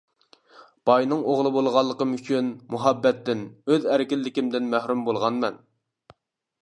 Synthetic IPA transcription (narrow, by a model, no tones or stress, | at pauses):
b̥ɑjnɨŋoʁlˠɨbolˠʁɑlˠːəqəmyt͡ʃʰynmuɦɑbːɛt̪ːɪnøzæɾɪkʲilːɪkʲimd̪ɪnmæhɾumbolˠʁɑnmɛ̰n